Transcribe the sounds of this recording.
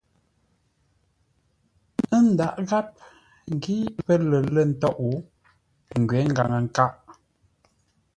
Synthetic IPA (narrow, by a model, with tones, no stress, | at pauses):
ə˦n̩˦da˨ʔɣa˦p̚ | ŋ˨ɡi˦pə˦lə˨lə˦˨n̩˦tɔ˦ʔu˨˦ | ŋ̩˨ɡɥɛ˨˦ŋ̩˦ɡa˨ŋə˨ŋ˨ka˦ʔ